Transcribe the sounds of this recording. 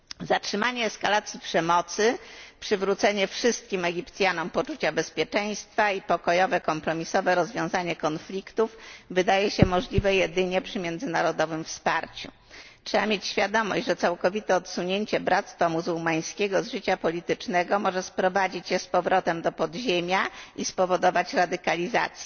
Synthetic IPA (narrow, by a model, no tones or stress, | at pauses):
zatʂɘmaɲɛːskalat̪sʲjipʂɛmɔt̪sɘpʂɘvɾut̪sɛɲɛfʂɘst̪̚kʲimɛɡʲipt̪sʲjanɔmpɔt͡ʂut͡ɕabɛspʲjɛt͡ʂɛj̃st̪faipɔkɔjɔvɛkɔmpɾɔmʲisɔvɛɾɔzvʲjɔ̃w̃zaɲɛkɔnflʲikt̪ufvɘd̪ajɛɕɛmɔʐlʲivɛjɛd̪ɘɲɛpʂɘmʲjɛnd̪zɘnaɾɔd̪ɔvɘmfspaɾt͡ɕṵ | tʂɛbamʲjet͡ɕɕfʲjad̪ɔmɔ̰ɕd͡ʑʐɛt̪sawkɔvʲit̪ɛɔt̪suɲeɲt͡ɕɛbɾat̪st̪famuzuwmaj̃skʲeɡɔzʐɘt͡ɕapɔlʲit̪ɘt͡ʂnɛɡɔmɔʐɛspɾɔvad͡ʑit͡ɕjɛspɔvɾɔt̪ɛmd̪ɔpɔd̪ʑemʲjaispɔvɔd̪ɔvat͡ɕɾad̪ɘkalʲiza̰t̪sʲjɛ